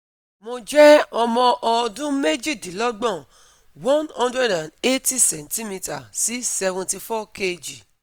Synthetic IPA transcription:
mo˧d͡ʒɛ˦ɔ˧mɔ̃˧ʔɔ˧dũ˦me˦d͡ʒi˦˨di˨lɔ˦ɡ͡bɔ̃˦˨ | wɔ̃˦nɔ̃˧ndɾɛ˦dã˨ne˦ti˦sɛ˨n˨ti˦mĩ˧ta˨si˨˦sɛ˧vũ˧ti˧fɔ˦ke˧d͡ʒi˨

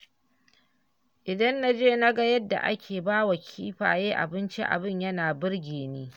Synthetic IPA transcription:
ʔɪ˨dɐ˦nːa˦d͡ʒeː˦na˦ɡa˦jɐ˦dːa̰˨ʔa̰˦kʲʰeː˨baː˦wa˨kʲʰiː˦ɸa̰ː˨jeː˦ʔa̰˨bɪ˦nt͡ʃḭ˦ʔa̰˨bɪ˦˨ɲjɐ˦naː˨bɪ˦ɽɡʲeː˨neː˦

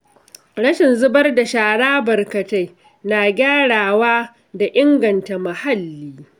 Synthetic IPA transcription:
ɽɐ˦ʃɪ˨nzʊ˦bɐ˦rda˨ʃaː˨ɽaː˦bɐ˨rkɐ˨ta˦j | naː˨ɡʲaː˦ɽaː˨waː˦ | da˨ʔɪ˦ŋɡɐ˨nta˨mɐ˨ha˦lːiː˦

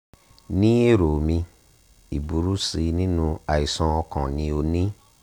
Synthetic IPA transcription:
nĩ˦e˦˨ɾo˨mĩ˧ | i˨bu˨˦ɾu˦si˧nĩ˦nũ˧a˨i˨sɔ̃˧ɔ˧kã˨nĩ˧o˧nĩ˦

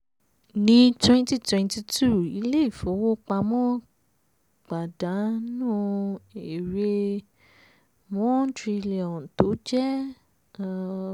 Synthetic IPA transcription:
nĩ˦twɛ̃˦nti˦twɛ̃˧nti˧tʰu˦˨i˧˦le˦i˦˨fo˨˦wo˦k͡pa˧mɔ̃˦ | ɡ͡ba˨da˨˦nũ˦e˨ɾe˧ | mɔ̃˦n˦tɾi˧li˨ɔ̃˨n˨to˨˦d͡ʒɛ˦˧

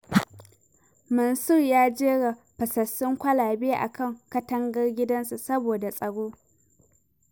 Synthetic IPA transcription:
mɐ˨nsʊ˦˨rjaː˦d͡ʒeː˦ɽa˨ | ɸɐ˨sɐ˨sʊ˦ŋkʷɐ˦laː˨beː˦ʔa̰˨kʰɐ˦˨ŋkɐ˦tɐ˦ŋɡɐ˦rɡʲɪ˦dɐ˦nsu˨sɐ˦boː˨da˨sʼɐ˨ɽoː˦

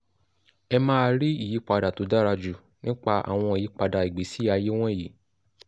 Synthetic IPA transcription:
ɛ˧mãː˦˧ɾi˦i˦˨ji˨˦k͡pa˧da˨to˨˦da˦ɾa˧d͡ʒu˨ | nĩ˦k͡pa˧a̰˦˨w̃ɔ̃˧i˨ji˨˦k͡pa˧da˨i˨ɡ͡be˨˦si˨˦a˧je˦w̃ɔ̃˦˨ji˨

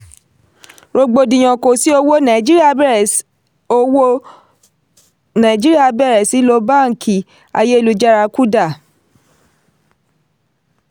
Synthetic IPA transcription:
ɾo˧ɡ͡bo˧dĩ˨j̃ɔ̃˨ko˨si˦o˧wo˦nã˨d͡ʒi˦ɾi˦a˧˨˦ | o˧wo˦ | nã˨d͡ʒi˦ɾi˦a˦˧˨bɛ˦˨ɾɛ˨si˨˦lo˧˦ba˦˨ŋ̩˨ki˨ | a̰˧je˦i˦˨lu˧d͡ʒa˦ɾa˧ku˦da˦˨

